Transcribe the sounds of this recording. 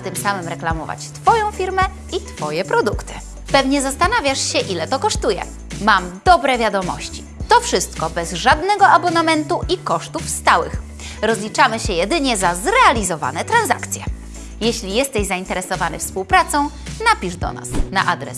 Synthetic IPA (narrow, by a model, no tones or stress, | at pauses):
t̪ɘmsamɘmɾɛklamɔva̰t͡ɕt̪fɔjɔ̃w̃fʲiɾmɛ | it̪fɔjɛpɾɔd̪ukt̪ɘ̥ | pɛvɲɛzast̪anavʲjaʂɕɛʔilɛt̪ɔkɔʂt̪ujɛ̰ | mamd̪ɔbɾɛvʲjad̪ɔmɔ̰ɕt͡ɕi̥ | t̪ɔfʂɘst̪kɔbɛzʐad̪nɛɡɔʔabɔnamɛnt̪uʔikɔʂt̪ufst̪awɘ̰x | ɾɔzlʲit͡ʂamɘɕɛjɛd̪ɘɲɛzazɾɛalʲizɔva̰nɛt̪ɾanza̰kt̪sʲjɛ | jɛɕlʲijɛst̪ɛʑzaint̪ɛɾɛsɔvanɘ̰fspuwpɾat̪sɔ̃w̃ | napʲiʐd̪ɔ̰na̰sna̰ʔad̪ɾɛ̰s